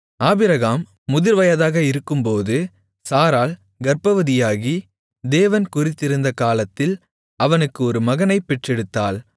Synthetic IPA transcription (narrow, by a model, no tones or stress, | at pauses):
aːbɪɾɐɣaːmː | ʊðɪɾʋɐjɐðaːɣɐɪɾɯkːɯmpoːðɯ | saːɾaːl | ɡɐɾpɐʋɐðɪjaːɣi | d̪eːʋɐnkʊrɪt̪ːɪɾɯnd̪ɐkaːlɐt̪ːɪl | ɐʋɐnɯkːɯɔɾɯmɐɣɐnɐɪpːɛʈrɛɽɯt̪ːaːl